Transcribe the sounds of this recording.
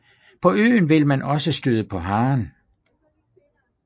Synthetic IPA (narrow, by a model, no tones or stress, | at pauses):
pʰɒ̽ø̰ːnʋe̝lmænʔɒ̽səsd̥øðˠəpʰɒ̽ɦɑ̈ːn